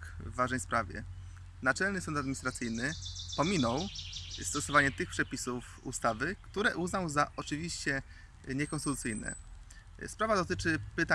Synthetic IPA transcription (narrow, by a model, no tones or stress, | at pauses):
kvːaʐnɛjspɾavʲjɛ̰ | nat͡ʂɛlnɘsɔnd̪ad̪mʲiɲist̪ɾat̪sɘjnɘpɔmʲinɔwst̪ɔsɔvaɲɛt̪ɘxpʂɛpʲisuf | ṵst̪avɘkt̪uɾɛʔuznawzaʔɔt͡ʂɘvʲiɕt͡ɕɛ | ɲɛkɔ̃nst̪ɘt̪ut̪sɘjnɛ̰ | spɾavad̪ɔt̪ɘt͡ʂɘpɘt̪a